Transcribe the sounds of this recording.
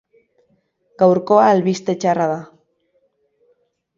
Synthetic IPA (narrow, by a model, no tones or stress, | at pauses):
kawɾkoaːlβist̪et͡ʃaraða